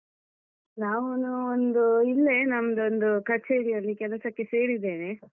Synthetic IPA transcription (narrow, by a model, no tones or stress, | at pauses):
naːʋunuond̪uilːe̞nɐmɐd̪ond̪ukɐɾt͡ʃeːɾijɐlːikɛlɐsɐkːe̞se̞ːɽid̪ːe̞ːne